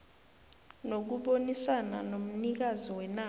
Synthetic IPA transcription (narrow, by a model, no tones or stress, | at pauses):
nok̬uɓonisana̰nom̩nik̬azɔwɛna